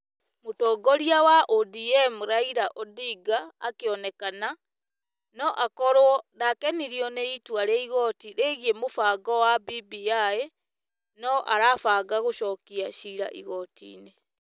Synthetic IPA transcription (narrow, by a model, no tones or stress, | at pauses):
motɔːɡɔɾiawaʔodiɛmuɾaiɾaʔɔdiɡa̰ːkeɔnɛkana | nɔʔakɔɾwɔnakɛniɾiɔnɛitwaɾɛiɣɔtiɾeɣiemofaːɡɔwabibijaɛ | nɔʔa̰ɾafaɡaɣoʃɔkiaʃiɾa̰ʔḭɣɔtḭne